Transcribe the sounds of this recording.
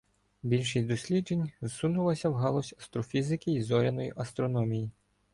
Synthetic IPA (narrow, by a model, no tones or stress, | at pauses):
bʲilʲʃisʲd̪ɔsʲlʲidd͡ʒe̞nʲzsunʊlˠɐsʲɐwɦɑlˠɔsʲɐst̪ɾɔfʲizɪkɪːzɔɾʲɐnɔjiʔɐst̪ɾɔnɔmʲiji